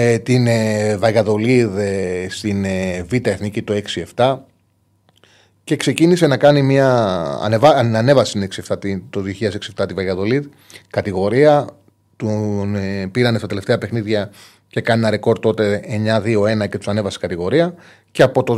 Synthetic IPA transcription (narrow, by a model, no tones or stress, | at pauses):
t̪invɐɣɐðo̞liðst̪invit̪ɐeθnicit̪oe̞ksie̞ft̪ɐ | ce̞kse̞cinise̞nɐkɐnimiɐ̰nevɐɐne̞vɐse̥sineksieft̪ɐt̪it̪oðioçiɐse̞ksie̞ft̪ɐt̪ivɐɣɐðo̞lið | kɐt̪iɣo̞ɾiɐ | t̪unpiɾɐnest̪ɐt̪e̞le̞ft̪e̞ɐpe̞xniðʝɐ | ce̞kɐninɐɾe̞ko̞ɾt̪ːo̞t̪e̞eɲɐðio̞e̞nɐce̞t̪u̥sɐne̞vɐsi̥kɐt̪iɣo̞ɾiɐ | ce̞ɐpo̞t̪o̞